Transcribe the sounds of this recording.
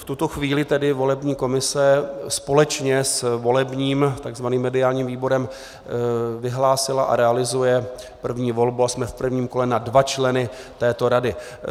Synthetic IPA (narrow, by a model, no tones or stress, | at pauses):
ft̪ut̪oxviːlɪt̪ɛdɪvo̞lɛbɲiːko̞mɪsɛspo̞lɛt͡ʃɲɛsvo̞lɛbɲiːmt̪aɡzvaniːmːɛdɪaːlɲiːmviːbo̞ɾɛm | vɪɦlaːsɪlaʔa̰ɾɛalɪzujɛ | pr̩vɲiːvo̞lbuasmɛfpr̩vɲiːmko̞lɛnadvat͡ʃlɛnɪ | t̪ɛːt̪o̞ɾadɪ